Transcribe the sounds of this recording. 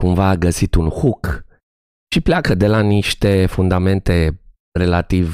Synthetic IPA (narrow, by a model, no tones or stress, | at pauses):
kumvaːɡəsit̪unxuk | ʃipleakəd̪e̞laniʃt̪e̞fund̪ame̞nt̪e̞ | re̞lat̪iv